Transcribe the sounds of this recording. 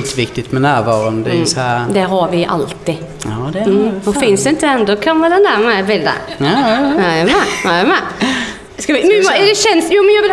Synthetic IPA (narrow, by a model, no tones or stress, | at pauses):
nt̪əʋɪkt̪ɪt̪mɛnæːɾʋɑːɾʊnd̪ɛsɔhæɾd̪ɛɦɑɾʋɪʔɑ̰lt̪ɪ | ɔfɪnsd̪ɛɪnt̪ədɛnd̪ɔkʰɑnʋɛd̪ɛnd̪æɾmɛʋɪld̪ɛ̰ | æmɛæmɛ | skɑʋɪmmd̪ɛɕɛnːsjuːmɛnjɑɡ̪